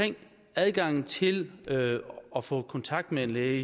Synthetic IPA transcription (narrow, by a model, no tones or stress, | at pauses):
eŋ̰ | æð̞ˠɡ̥ɑ̈ŋ̰n̩t͡sʰe̝l | ɒ̽fɔ̰̽kʰɒ̽nt͡sʰɑ̈ɡ̥̚d̥meenleː